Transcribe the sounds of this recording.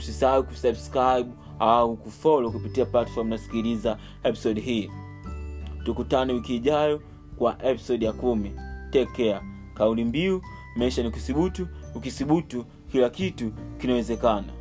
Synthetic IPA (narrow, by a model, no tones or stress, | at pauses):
usisaawikusabskɾaiɓ | aukufɔlɔkupitiaplatfɔɾmnasi̥kiliza | ɛpi̥sɔɗɦiː | tukutanɛwikiːʄajɔ | kwaʔɛpi̥sɔɗijakumitɛkɛa | kaulimbiu | mɛiʃaniukisiɓutuːkisiɓutu | kilakitukinawɛzɛkana̰